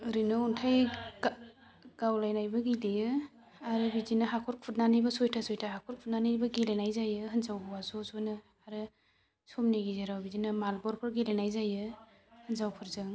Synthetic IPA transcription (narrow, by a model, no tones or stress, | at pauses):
ɯɾinɯuntʰaj | ɡ̥awlajnajbɐɡilejɯ | aɾɯbizinaɦakʰɔɾkʰut̚nanibɐsɔjtʰasojtʰaɦakʰɔɾkpʰut̚nanibaɡelenajzajɯhɯnzawbwasɔsojnɯ | aɾɯ | somniɡizaɾawbizinamalbɔɾpʰɯɾɡelenajzajɯ | hɯnzawpʰɯɾzɯŋ